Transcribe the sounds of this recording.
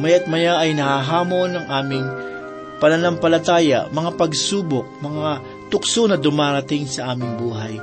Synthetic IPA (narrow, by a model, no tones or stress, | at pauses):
mɐjɐt̪̚mɐjaʔɐjnɐhaɦaːmo̞nɐŋʔaːmɪŋ | pɐnɐnampɐlɐt̪aːjɐ̰mɐŋapɐɡsuːbok̚mɐŋa | t̪ʊk̚sonɐd̪ʊmaːɾɐt̪ɪŋsɐʔaːmɪŋbuːɦɐj